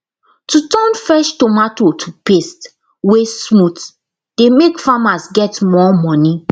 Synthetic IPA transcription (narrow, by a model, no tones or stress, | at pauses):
tutɔ̃nfɹɛʃtomatotʰupest | wesmut | d̥emekfamasɡɛtmɔmɔni